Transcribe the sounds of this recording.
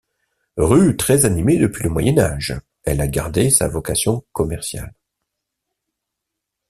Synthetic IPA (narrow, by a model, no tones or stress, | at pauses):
ʁyt̪χɛzanimed̪əpɥiləmwajɛna̰ʒ | ɛlaɡa̰ʁd̪esa̰vɔkasjɔ̃kɔmɛʁsja̰l